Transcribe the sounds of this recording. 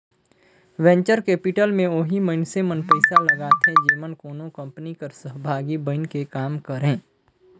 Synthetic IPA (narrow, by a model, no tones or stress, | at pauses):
ʋɛ̃ɲt͡ʃəɾkeːpɪʈəlmẽoɦiməɪnsemənpəɪsalɐɡaːt̪ɦẽd͡ʒeːmənkoːnõkɐ̃mpnikəɾsəɦbʱaːɡibə̃ɪnkekaːmkəɾẽː